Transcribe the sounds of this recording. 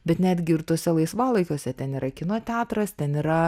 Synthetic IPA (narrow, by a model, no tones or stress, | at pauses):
bʲɛt̪nʲæːd̪ʲɡʲɪɪɾt̪oːsʲɛlˠɐɪsʋɑːlˠɐɪkʲoːsʲɛt̪ʲɛniːɾɐkʲɪnoːt̪ʲæːt̪ɾɐst̪ʲɛniːɾɐ